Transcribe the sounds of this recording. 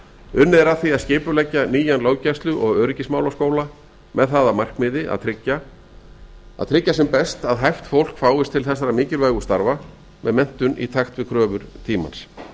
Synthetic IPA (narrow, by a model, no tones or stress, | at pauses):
ʏnːɪðɾaθiaðscɪːpʏlɛcːaniːjanloːwcajst̪lʏʔɔɣœːɾɪcɪsmaːwlawskoːwla | mɛðθaːðamar̥kmɪðɪʔa̰ðt̪ʰɾɪcːa | a̰ðt̪ʰɾɪcːasɛmpɛst̪aðɦajft̪fowl̥kfaːwɪst̪ʰɪlθɛsːaɾamɪːcɪɾvœːɣʏst̪aɾva | mʔɛðmɛn̥t̪ʏnʔḭt̪ʰaxt̪vɪðkʰɾœːvʏɾ̥t̪ʰiːma̰ns